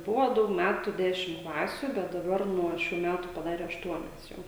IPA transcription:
ˈbʊʋoː ˈdɐʊk ˈmʲætʊ ˈdʲæːʃʲɪm ˈklˠɑːsʲʊ bʲɛt dɐˈbɐr nuɔ ˈʃʲuː ˈmʲætʊ pɐˈdɑːrʲɛ ɐʃˈtuɔnʲɛs ˈjɛʊ

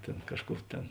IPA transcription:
ˈtʲeːn ˈkɑːʃˌkuː ˈtʲeːn

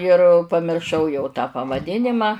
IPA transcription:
ɪr pɐmʲɪrˈʃɐʊ jɛʊ tɑː pɐʋɐˈdʲɪnʲɪmɐ

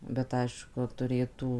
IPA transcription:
bʲɛt ˈɐɪʃkʊ tʊˈrʲeːtuː

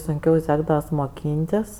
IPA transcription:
sʊŋʲˈkʲɛʊ ˈsʲæːɡdɐʋɐs moːˈkʲiːnʲtʲɪs

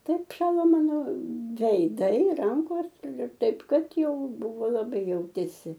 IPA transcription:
ˈtɐɪp ˈʃɑːlˠoː ˈmɑːnoː ʋʲɛɪˈdɐɪ ˈrɐŋkoːs ɪr ɪr ˈtɐɪp ˈkɐt ˈjɛʊ ˈbʊʋoː lˠɐˈbɐɪ ˈjɛʊtʲeːsʲɪ

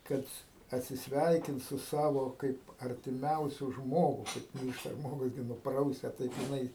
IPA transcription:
ˈkɐt ɐtʲsʲɪsʲˈʋʲɛɪkʲɪnt sʊ ˈsɑːʋoː ˈkɐɪp ɐrʲtʲɪˈmʲɛʊsʲʊ ˈʒmoːɡʊ ˈkɐɪp kɐɪp ˈmʲiːrʃtɐ ˈʒmoːɡʊs ˈɡʲɪ nʊˈprɐʊsʲɛ ˈtɐɪp jɪˈnɐɪ

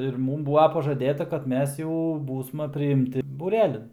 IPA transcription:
ɪr ˈmuːm ˈbuːʋɐ pɐʒɐˈdʲeːtɐ kɐt ˈmʲɛs jɛʊ ˈbuːsmɐ pʲrʲɪɪmʲˈtʲɪ buːˈrʲæːlʲɪn

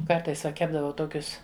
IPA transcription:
ˈkɐrtɐɪs ʋɐ ˈkʲæːbdɐʋɐʊ ˈtoːkʲʊs

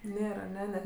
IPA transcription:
ˈnʲeːr ɐˈnʲɛ nʲɛ

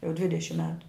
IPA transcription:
jɛʊ ˈdʲʋʲɪdʲɛʃʲɪm ˈmʲæːtʊ

